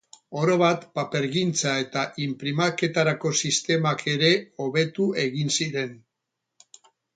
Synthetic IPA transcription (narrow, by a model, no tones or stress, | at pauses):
o̞ɾo̞βat̪pape̞ɾɣint͡sae̞t̪aʔimpɾimake̞t̪aɾako̞sist̪e̞makʰe̞ɾe̞o̞βe̞t̪ue̞ɣinsiɾe̞n